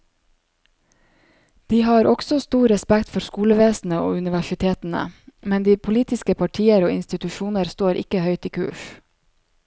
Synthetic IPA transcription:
d̪̥iːhɑːɾʔɔɡ̥sɔst̪uːɾɛspækt̪fɔɾskuːləʋeːsn̩əo̰ːʉnɪʋæʃɪt̪ʰeːt̪n̩ə̰mɛnd̪iːpʰʊliːt̪ɪskəpʰɑʈʰiːəɾoːɪnst̪ɪt̪ʉʃuːnəɾst̪oːɾʔɪ̰kəhœʏt̪iːkʰʉ̰ːʃ

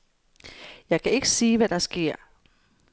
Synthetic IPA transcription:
jɑ̈ɪkʰæe̝ɡ̥əsiːʋæd̥ɑ̈sɡ̥e̝ɐ̰

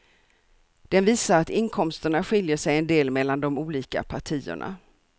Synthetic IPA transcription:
d̪̥ɛnviːsaɾat̪ɪnkʰɔmst̪əɳaɧɪljəʂɛjɛnd̪eːlmɛlːand̪ɔmuːliːka̰pʰaʈʰiːə̰ɳa̰

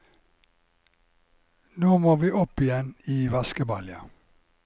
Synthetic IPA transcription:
noːmoːʋiːʔɔpɪjɛniːʋɑskəbɑljɑ

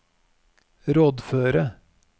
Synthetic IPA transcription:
ɾoːd̪føːɾə

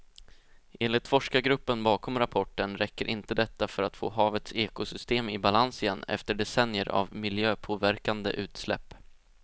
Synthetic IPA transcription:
ʔeːnlɪt̪fɔʂkaɡɾɵpːənbɑːkʰɔmɾapʰɔʈːənɾɛkːəɾʔɪnt̪əd̪ɛt̪ːafœɾat̪fo̰ːɦɑːvət̪seːkʊsʏst̪eːmɪbalansɪjɛnːɛ̰ft̪əɖɛsɛnjəɾʔa̰vmɪljøːpʰoːvæɾkand̪ə̰ʔʉ̟ːt̪slɛ̰pː

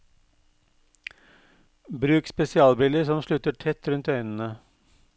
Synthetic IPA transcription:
bɾʉːkspɛsɪɑːlbɪləsɔmʃɭʉt̪əʈʰɛt̪ɾʉnt̪œʏnən̩ə

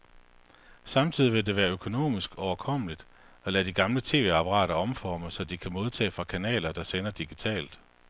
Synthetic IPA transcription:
sɑ̈mt͡sʰið̞̰ˠiʋe̝d̥e̝ʋæːɐøkʰo̝no̝̰ːmisɡ̥ɒʊɐkʰɒ̽m̰əlid̥ | ɒ̽lɛd̥iɡ̥ɑ̈mlət͡sʰe̝̰ːʋe̝ɑ̈pʰɑʁɑ̰̈ːɾ̥ɐɒ̽mfɒːməsɒ̽d̥ikʰæmo̝ð̞ˠt͡sʰɛ̰ːfʁɑ̈kʰænɛ̰ːlɐd̥ɑ̈senɐd̥iɡ̥it͡sʰɛ̰ːld̥

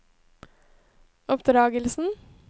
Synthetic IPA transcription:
ɔpd̪ɾɑːɡəlsn̩

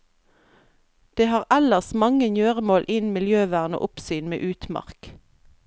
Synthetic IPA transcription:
d̪̥eːhɑːʁʔæləʁsmɑŋənjøːʁəmoːlʔɪnmɪljøːʋæːʁno̰ʔʊpsyːnmḛːʔʉːt̪mɑ̰ʁk

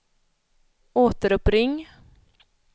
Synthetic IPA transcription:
oːt̪əɾɵpɾɪŋː

